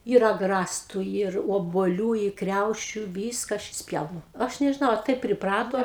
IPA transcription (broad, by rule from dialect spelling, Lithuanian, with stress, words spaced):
iːr ɐɡˈrɑːstʊ iːr oːbuɔˈlʲuː ɪ ˈkrʲɛʊʃʲʊ ˈʋʲiːskɐ ˈɐʃ ɪʃʲsʲˈpʲjɛʊnʊ ˈɐʃ nʲɛʒʲɪˈnɐʊ ɐ ˈtɐɪp pʲrʲɪˈprɑːtoː